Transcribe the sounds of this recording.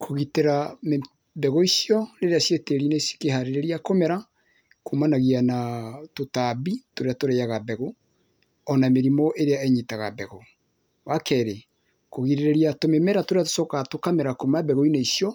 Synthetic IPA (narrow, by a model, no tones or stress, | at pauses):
kʰoɣiteɾame | bɛɣoisijɔɾeɾeasjeteɾinesi̥kehaɾeɾeɾiakomɛɾa | kʰomanaɣianatotabitoɾeatoɾejaɣabɛɣo | ɔnameɾimɔʔeɾeaɛɲitaɣa̰bɛɣɔ | wakɛɾe | koɣiɾeɾeɾiatomemɛɾatoɾeato̥sɔkatokameɾakomabɛɣoineisjɔ